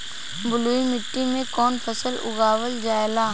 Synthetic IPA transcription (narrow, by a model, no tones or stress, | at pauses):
bʊluːimɪʈːimẽkɔːnpʰəsəlʊ̰ɡaːwəld͡ʒaːelaː